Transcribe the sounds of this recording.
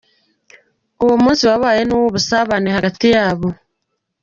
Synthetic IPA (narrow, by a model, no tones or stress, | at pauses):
uwomuːnsiwaβaːje̞nuwoβusaβanehaɡatijaːβo